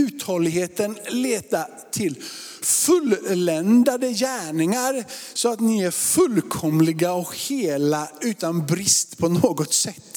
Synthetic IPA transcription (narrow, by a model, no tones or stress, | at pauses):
ʉːt̪hɔlɪɡɦeːt̪ənleːt̪a | t̪ʰɪl | fɵllɛnd̪ad̪əjæːɳɪŋaɾsɔat̪nɪæɾfɵlkʰɔmlɪɡaɔkheːlaʉ̟ːt̪anbɾɪst̪pʰɔnoːɡɔt̪sɛt̪ː